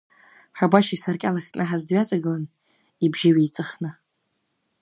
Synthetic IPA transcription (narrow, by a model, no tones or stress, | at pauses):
ħabaʃisarkʲʼalaχʲʼnʔɨħazdɥat͡sʼaɡɨlan | ibʒɪɥijt͡sʼɨχnɨ